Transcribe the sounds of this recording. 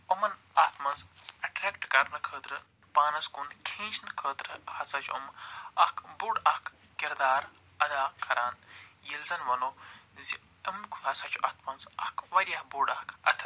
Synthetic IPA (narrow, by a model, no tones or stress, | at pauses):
omɐnɐt̪ʰmɐnzɐʈɾekʈkɐɾnɨkʰəːt̪ɾɨ | paːnɐskunkʰĩːt͡ʃʰnɨkʰəːt̪ɾɨhɐsɐt͡ʃʰṵmɐhkʰbuɖɐhk | kiɾd̪aːɾ | ɐd̪aːkʰɐɾaːnjilzɐnʋɐnozi | əmkʰuɦɐsɐt͡ʃʰɐ̰t̪mɐnzɐhkʰʋɐɾiahbuɖɐhkʰɐt̪ʰ